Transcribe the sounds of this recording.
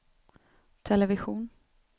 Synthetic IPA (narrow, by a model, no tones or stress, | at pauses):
t̪ʰɛlɛvɪɧuːn